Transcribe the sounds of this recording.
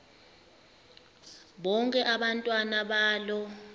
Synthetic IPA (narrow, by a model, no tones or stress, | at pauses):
ɓɔŋkʼɛʔaɓantʼwanaɓaːlɔ